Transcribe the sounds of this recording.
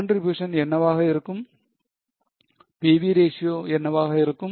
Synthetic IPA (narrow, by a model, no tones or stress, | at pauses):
ɳɖribjuːʂɐnɛnːɐʋaːɣɐiɾɯkːɯm | peːʋiɾeːʂijoːɛnːɐʋaːɣɐiɾɯkːɯm